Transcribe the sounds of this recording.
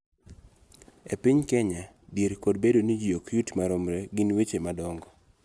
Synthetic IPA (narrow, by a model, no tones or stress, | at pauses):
epɪɲkɛɲa | djeɾkodbedonid͡ʒijokjutmaɾomɾeɡɪnwet͡ʃemadɔŋɡɔ